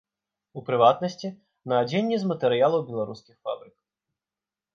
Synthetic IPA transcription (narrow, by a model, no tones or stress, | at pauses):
upɾɪʋat̪nɐsʲtʲi | nɐːd͡zʲɛnʲːizmɐt̪eɾɪjalˠɐwbʲilˠɐɾuskʲɪxfa̰bɾɪk